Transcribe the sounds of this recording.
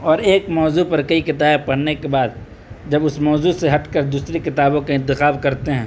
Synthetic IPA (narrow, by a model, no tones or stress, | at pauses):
ɔːɾeːkmɔːzupɐɾkɐikɪt̪aːbpɐɽnekebaːd̪ | d͡ʒɐbʊsmɔːzuseɦɐʈkɐɾd̪uːsɾekɪt̪aːbõkaɪ̃nt̪ɪxaːbkɐɾt̪eɦɛ̃ː